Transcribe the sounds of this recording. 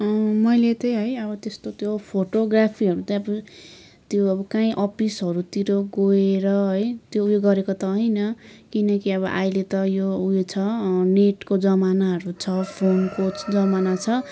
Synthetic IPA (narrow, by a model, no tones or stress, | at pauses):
ʌmʌjlet̪ʌ̃j̃ɦʌjʌbʌt̪est̪ot̪jopʰoʈoɡrapʰiʌɾut̪ʌ̃ʌbʌ | t̪joʌbʌkaĩʔʌpisɦʌɾut̪iɾoɡoeɾʌɦʌjt̪joujeɡʌɾekot̪ʌɦʌjnʌkinʌkiʌβʌʔajlet̪ʌjoujet͡sʰʌneʈkod͡zʌmanaɦʌɾut͡sʰʌpʰonkot͡sd͡zʌmanat͡sʰʌ